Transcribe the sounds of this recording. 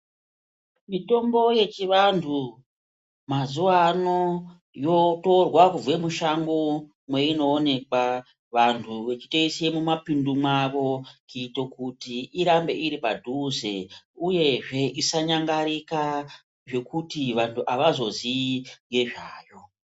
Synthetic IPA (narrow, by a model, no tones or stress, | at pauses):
mito̞mbo̞je̞t͡ʃiʋantʰu | mazuwano̞ | jo̞to̞rwakuvwe̞muʃaŋɡo | mwe̞ino̞ːne̞kwa | ʋantʰuʋe̞t͡ʃitoisemumapindumaʋo̞kito̞kutiiɾambe̞ʔiɾipadʱuzeuje̞ʐe̞ʔisaɲaŋɡaɾika | ʐe̞kutiʋantʰuʔaʋazo̞ziiŋɡe̞ʐaːjo̞